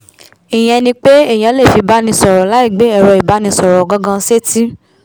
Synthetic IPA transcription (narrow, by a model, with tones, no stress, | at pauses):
i˨j̃ɛ̃˧nĩ˧k͡pe˦e˦˨j̃ã˨˦le˦˨fi˧ba˦nĩ˧sɔ˨ɾɔ˨˦la˨˦i˦˨ɡ͡be˨˦ɛ˦˨ɾɔ˧i˨ba˨˦nĩ˧sɔ˨ɾɔ˨ɡɔ̃˦ɡã˧˦se˦ti˦